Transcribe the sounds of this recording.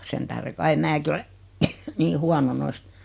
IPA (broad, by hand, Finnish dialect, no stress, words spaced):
sen tæhre kɑi mæːki ole niː huɑno noist